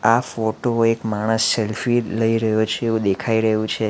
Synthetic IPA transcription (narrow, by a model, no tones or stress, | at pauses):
afoʈoekmaɽ̃əsːelfiləiɾəɦjot͡ʃʰeːʋũd̪ekʰaiɾəɦũt͡ʃʰe